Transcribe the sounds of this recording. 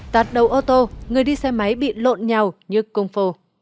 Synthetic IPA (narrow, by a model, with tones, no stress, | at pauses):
t̪aː˨˩t̚ɗə˨˩wʔo˧t̪o˧ŋɨ˨˩əjɗi˧sɛ˧ma˨˦jɓḭ˧˨lo̰˧˨nɲa˨˩wɲɨ˧kə˧wŋ͡mfo˧˩